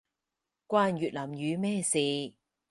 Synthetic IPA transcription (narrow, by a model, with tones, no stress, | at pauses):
kʷwaː˧njyː˨t̚laː˨˩mjyː˨˧mɛː˥˩siː˨˧